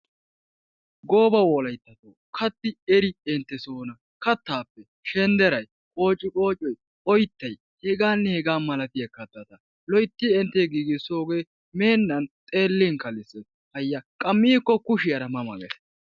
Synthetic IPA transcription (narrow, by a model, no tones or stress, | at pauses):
ɡo̞ːbɐwɔlɐjt̪ːɐt̪oːkʰɐt̪ːɪɛɾɪɛnt̪ːɛsoːnɐ | kɐt̪ːaːpːɛ | ʃɛnd̪ɛɾɐj | kʼo̞ːt͡ʃʼːɪkʼo̞ːt͡ʃʼɔj | ɔjt̪ːɐj | hɛɡaːnːɛhɛɡaːnmɐlɐt̪ɪjɐkːɐt̪ːɐt̪ɐ | lɔjt̪ːɪɛnt̪ːɛɡiːɡɪso̞ːɡe̞ː | me̞ːnːɐnt̪ʼeːlːiːŋkɐlɪsɛ | hɐjːɐkʼɐmːiːkːɔkʊʃɪjɐɾɐmɐmɐ̰ɡɛ̰s